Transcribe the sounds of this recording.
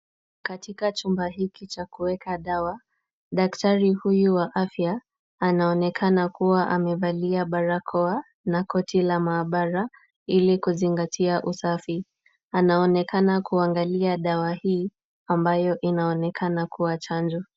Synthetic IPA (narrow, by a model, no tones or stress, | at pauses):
katikat͡ʃumbahikit͡ʃakuwɛkaɗawa | ɗaktaɾihujuwaʔafjaː | naɔnɛkʰanakuwaʔamɛvaliaɓaɾakʰɔa | nakɔtʰilamaːɓaɾa | ilikuziŋɡatʰiaʔusafi | anaɔnɛkanakuaŋɡaliaɗawahiː | ambajɔʔinaɔnɛkʰanakuwat͡ʃand͡ʒɔ